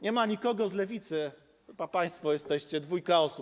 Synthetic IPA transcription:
ɲɛmaɲikɔɡɔzlɛvʲit̪sɘ | papaj̃st̪fɔjɛst̪ɛɕt͡ɕɛd̪vujkaɔsup

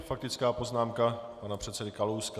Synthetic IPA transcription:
fak̚t̪ɪt͡skaːpo̞znaːmkapanapr̝̥ɛt̪t͡sɛdɪkalowsk

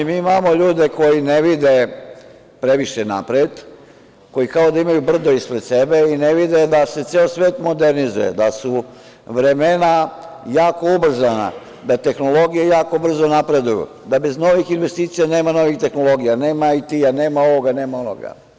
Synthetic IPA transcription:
miːimamo̞ʎuːd̪e̞ko̞jine̞ʋid̪e | pɾe̞ʋiʃena̰pɾet̪ | ko̞jikaod̪aimajubr̩d̪o̞ispɾet̪sebe̞ine̞ʋid̪ed̪ase̞t̪seːosʋe̞ːt̪mo̞d̪e̞ɾnizṵjḛd̪asu | ʋɾe̞mena | jaːko̞ubr̩zana̰ | d̪at̪e̞xno̞lo̞ɡijejaːko̞br̩zo̞napɾe̞d̪ujṵ | d̪abe̞zno̞ʋixinʋe̞st̪iːt̪sijaneːmano̞ʋixt̪e̞xno̞lˠo̞ɡijane̞ːmait̪iane̞ːmao̞ʋo̞ɡane̞ːmaono̰ɡa̰

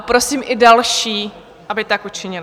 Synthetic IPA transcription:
pɾo̞siːmʔɪdalʃiː | ʔabɪt̪akʔut͡ʃɪɲɪl

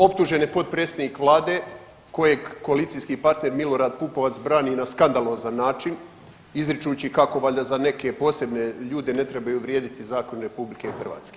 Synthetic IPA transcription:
o̞pt̪uʒe̞nepo̞t̪̚pɾet̪sed̪nikʋlˠaːd̪e̞ | ko̞je̞ɡko̞alit̪sijskipaɾt̪ne̞ɾmilo̞ɾaːd̪̚pupo̞ʋat̪sbɾaːninaskand̪alˠo̞ːzanːaːt͡ʃin | izɾit͡ʃut͡ɕikako̞ʋaʎd̪azane̞ke̞po̞ːse̞bne̞ʎuːd̪e̞ne̞t̪ɾebajuʋɾʲjeːd̪it̪izaːko̞nɾe̞publike̞ixr̩ʋa̰ːt̪ske

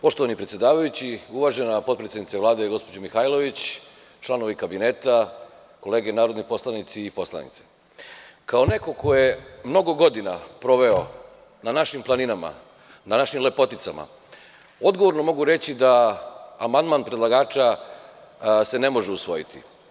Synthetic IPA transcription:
po̞ʃt̪oʋanipɾet̪sjed̪aːʋajut͡ɕiuʋaːʒe̞napo̞t̪pɾesed̪nit̪seʋlaːd̪eɡo̞spo̞d͡ʑomixajlˠo̞ʋit͡ɕ | t͡ʃlˠano̞ʋeikabineːt̪a | ko̞le̞ːɡenaːɾod̪nipo̞slˠanit̪siːpo̞slˠa̰nḭt̪se̥ | kaone̞ko̞ko̞jemno̞ɡo̞ɡo̞d̪inapɾo̞ʋe̞o | nanaʃimplˠaninama̰ | nanaʃimle̞po̞t̪it̪sama̰ | o̞d̪ɡoʋo̞ɾno̞mo̞ɡuɾe̞t͡ɕid̪aː | mand̪manpɾed̪lˠaɡaːt͡ʃa | se̞ne̞mo̞ʒeusʋo̞jit̪ʰḭ

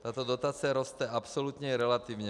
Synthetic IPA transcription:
t̪aːt̪ɔd̪ɔt̪aːt͡siaɾɔst̪ɛapsɔlut̪ɲɛɛɾɛlat̪iːʋɲɛ

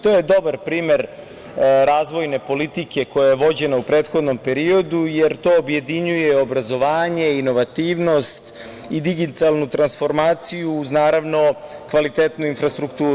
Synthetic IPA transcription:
t̪o̞jed̪o̞baɾpɾiːme̞ɾ | ɾaːzʋo̞jne̞po̞lit̪ike̞ko̞jajeʋo̞d͡ʑe̞naupɾe̞ːt̪xo̞d̪no̞mpe̞ɾio̞d̪ujeɾt̪o̞ːbje̞d̪iɲujeobɾazo̞ʋaːɲe̞ino̞ʋat̪iːʋno̞st̪ | id̪iɡit̪alˠnut̪ɾansfo̞ɾmaːt̪sijuːznaːɾaʋno̞kʋalit̪eːt̪nuinfɾast̪ɾukt̪uːɾu

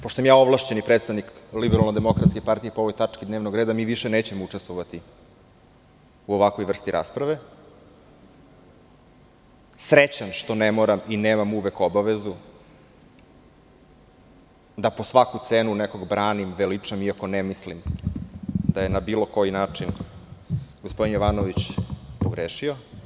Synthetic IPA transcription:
poʃt̪osmjaːo̞ʋlˠaʃt͡ɕenipɾeːt̪st̪aʋniklibeɾalˠnod̪emo̞kɾat̪skepaɾt̪ijepoo̞ʋojt̪at͡ʂkid̪neːʋnoɡɾeːd̪amiːʋiʃeneːt͡ɕemout͡ʂest̪ʋoʋat̪i | uoʋakʋo̞jʋr̩st̪iɾʔa̰spɾaʋe | sɾet͡ɕanʃt̪o̞nemoɾamineːmamuʋekobaʋezu | d̪apo̞sʋakut̪seːnuneko̞ɡbɾaːnimʋelit͡ʂamiako̞nemislim | d̪ajenabilo̞ko̞jinaːt͡ʂin | ɡospo̞d̪injoʋanoʋit͡ɕpoɡɾeːʃio̞

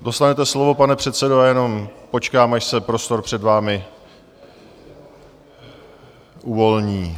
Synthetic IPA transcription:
do̞st̪anɛt̪ɛslo̞vo̞panɛpr̝̥ɛt̪sɛdoajɛno̞mpo̞t͡ʃkaːmaʃsɛpɾo̞st̪o̞ɾpr̝̥ɛdvaːmɪ | ʔuvo̞lɲiː

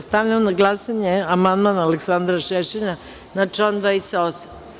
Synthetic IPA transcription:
st̪aʋʎamonaɡlˠasaɲeamand̪manaaleksand̪ɾaʃeʃiɲa | nat͡ʃand̪aisaosa

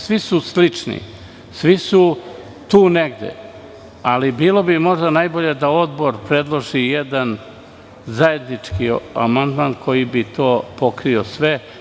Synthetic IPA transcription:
sʋisuslit͡ʂnḭ | sʋisu | t̪uːneɡd̪ḛ | alibiːlˠo̞bimo̞ʒd̪anajbo̞ʎe̞d̪ao̞d̪bo̞ɾpɾe̞d̪lˠoʒijed̪an | zaje̞d̪nit͡ʂkia̰mand̪maːnkʰo̞jibit̪o̞ːpo̞kɾio̞sʋe

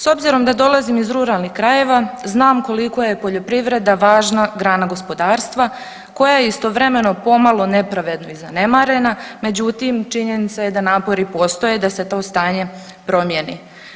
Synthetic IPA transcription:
so̞bziɾo̞md̪ad̪o̞lˠazimizɾuɾalˠnixkɾaje̞ʋaznaːmko̞liko̞je̞po̞ʎo̞pɾiʋɾe̞d̪aʋaːʒnaɡɾaːnaɡo̞spo̞d̪aːɾst̪ʋa | ko̞jajeist̪o̞ʋɾe̞me̞no̞po̞malˠo̞ne̞pɾaʋe̞d̪no̞izane̞maɾe̞name̞d͡ʑut̪imt͡ʃiɲe̞nit̪saje̞d̪anaːpo̞ɾipo̞st̪o̞je̞d̪ase̞t̪o̞ːst̪aːɲe̞ | pɾo̞mje̞nḭ

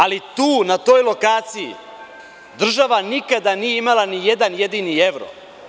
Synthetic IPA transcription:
alit̪uːnat̪o̞jlo̞kaːt̪sijḭ | d̪r̩ʒaʋanikad̪anijeimalˠanije̞d̪anje̞d̪inie̞ʋɾo̰

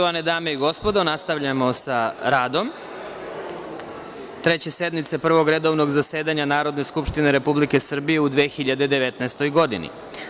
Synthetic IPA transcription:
oʋane̞d̪aːme̞iɡo̞spod̪o̞nast̪aʋʎamo̞saɾaːd̪o̞m | t̪ɾe̞t͡ɕe̞se̞d̪mit̪sepr̩ʋo̞ɡɾe̞d̪o̞ʋno̞ɡzase̞ːd̪aɲanaːɾo̞d̪ne̞skupʃt̪ineɾe̞publike̞sr̩bije̞ud̪ʋeːxiʎad̪e̞d̪e̞ʋe̞t̪naːst̪o̞jɡo̞d̪inḭ

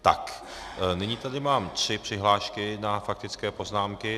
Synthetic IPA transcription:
t̪a̰k | nɪɲiːt̪adɪmaːmt̪r̥ɪpr̝̥ɪɦlaːʃkɪnafak̚t̪ɪt͡skɛːpo̞znaːmkɪ

